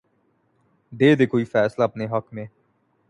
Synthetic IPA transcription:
d̪eːd̪eːkoːiːfɛːslapneːɦəkmẽː

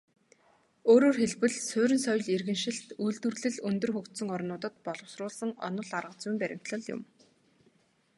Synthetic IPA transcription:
oːɾoːrxeɮpɘ̆ɮsʊːɾɘ̆nsœj̆ɮerɣɘ̆nʃɪ̆ɬt̪ujɮt̪wɘ̆rɮɘ̆ɮɵnt̪ɵ̆rxɵkt̪sɵ̆ŋɔrnʊːt̪ə̆t̪̚pɔɮɞ̆wsrʊːɮsə̆ŋɔ̰nɞ̆ɮarʁə̆t͡sujmpæɾʲɪ̆m̥t̪ɮə̆ɮjʊ̰m

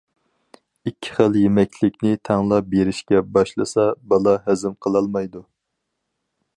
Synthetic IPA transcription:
ikʲʰːi̥χəlˠjemɛkʲlɪkʲnɪt̪ʰæŋlˠɑbeɾɪʃkʲɛbɑʃlˠɨsɑbɑlˠɑɦæzɪmqʰəlˠɑlˠmɑjd̪u

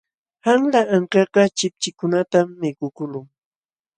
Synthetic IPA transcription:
haŋlaaŋkɑqɑt͡ʃɪp̚t͡ʃɪkʊnat̪amːɪkʊkʊlʊŋ

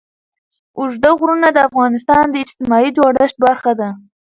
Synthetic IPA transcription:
ʊʒd̪aɣɾunad̪əafɣɑnɪst̪ɑnd̪əɪd͡ʒt̪ɪmɑid͡ʒɑɽəʃt̪̚baɾxad̪a

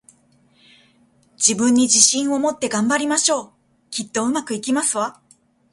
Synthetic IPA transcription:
d͡ʑibɯ̟̃ɲ̟ːid͡ʑiɕĩɰ̃o̞mo̞t̪ːe̞ɡãmbaɾʲimaɕo̞ː | kʲit̪ːo̞ɯ̟makɯ̟ikʲimasɨβa

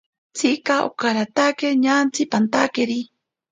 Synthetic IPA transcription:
t͡sʰikaʔo̰kaɾat̪akeɲant͡sʰipant̪akeɾi

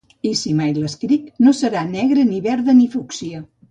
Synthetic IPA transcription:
isimajləskɾiknosəɾanɛɣɾəniβɛɾðənifuksiə

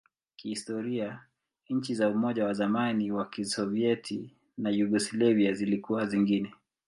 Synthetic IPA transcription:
kihistɔɾia | ɲ̩t͡ʃizaumɔʄawazamaniwakisɔviɛtʰi | najuɡuslɛviazilikuwaziŋɡinɛ

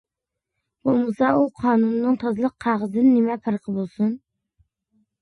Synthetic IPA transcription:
b̥olˠmɨsɑuqʰɑːnunːɨŋt̪ʰɑzlˠəqʰːæʁəzɨnɪnɪmɛpʰɑɾqʰəbolˠsun

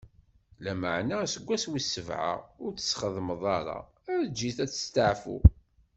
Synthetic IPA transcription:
læmə̰ʕnæsəɡʷːæswisːəvʕə̰ʊɾt͡sːə̥sχəðməðˤɑɾˤɑ̰ | æɾd͡ʒːiθæt͡sːə̥st̪əʕfṵ

